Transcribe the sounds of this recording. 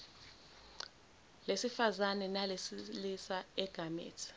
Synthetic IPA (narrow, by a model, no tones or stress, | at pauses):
lesifazanɛnalesilisaɛɡ̥ʱamḛːtʰi̥